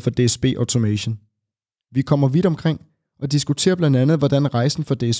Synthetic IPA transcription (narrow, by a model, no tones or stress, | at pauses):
fɒ̽d̥e̝esb̥e̝̰ːʔɒʊt͡sʰo̝meɕən | ʋikʰɒ̽m̰ɐʋid̥ɒ̽mkʰʁeŋ̰ | ʔɒ̽d̥isɡ̥ut͡sʰe̝̰ːɐb̥lænd̥ænð̞̩ˠʋɒdænʁɑ̈ɪsn̩fɒ̽d̥e̝es